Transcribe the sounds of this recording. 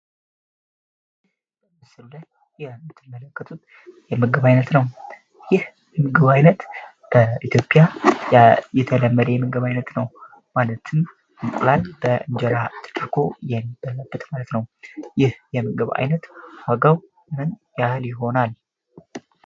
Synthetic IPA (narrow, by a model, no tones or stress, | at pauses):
b̥əmɨsɨlulaj | jɛmːɨt̪ʰːɨmːələkːət̪ʰut̪ | jɛmɨɡəβajnət̪nəw | jɪh | jɛmɨɡəβajnət̪ | b̥əʔit̪ʰjo̞pʼja | jɛt̪ʰələmːəd̪əjɛmɨɡəβajnət̪nəw | malət̪ʰɨm | ɨkʼlalb̥əʔɨnd͡ʒɛɾat̪ʰɨ̥t͡ʃʰʼɨɾkʰo̞jɛmib̥əlːəbːɨt̪malət̪nəwjɪhjɛmɨɡəβa̰jnət̪waɡəw | mɨnjahɨljɪɦo̞nal